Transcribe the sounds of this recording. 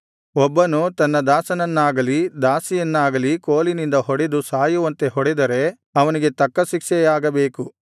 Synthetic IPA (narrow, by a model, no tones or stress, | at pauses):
ɔbːɐnut̪ɐnːɐd̪aːsɐnɐnːaːɡɐlid̪aːsijɐnːaːɡɐlikoːlinind̪ɐɦɔɽed̪usaːjuʋɐnt̪e̞ɦɔɽed̪ɐɾe̞ | ɐʋɐniɡe̞t̪ɐkːɐʃikʂɛjaːɡɐbeːku